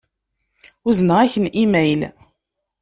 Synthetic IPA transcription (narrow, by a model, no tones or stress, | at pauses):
ʊznəʁæçənimæjl